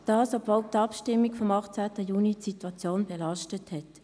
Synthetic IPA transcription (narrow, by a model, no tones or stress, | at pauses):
d̥ɑːsɔbvol̚t̪ɑpʃtɪmːiɡfɔmɑχt͡sæːtəjuːnitsitwɑt͡sjoːnbɛlɑʃtəthɛt